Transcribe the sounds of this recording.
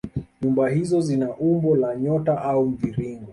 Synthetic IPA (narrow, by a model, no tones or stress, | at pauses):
ɲumbahizɔzinaʔumbɔlaɲɔtaʔaum̩viɾiŋɡɔ